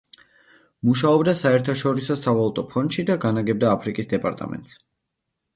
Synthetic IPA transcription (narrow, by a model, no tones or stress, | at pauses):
muʃaɔbd̪asaɛɾt̪ʰaʃɔɾisɔsavalˠut̪ʼɔpʰɔnʃid̪aɡanaɡɛb̚d̪aːpʰɾikʼisd̪ɛpʼa̰ɾt̪ʼa̰mɛ̰nt̪s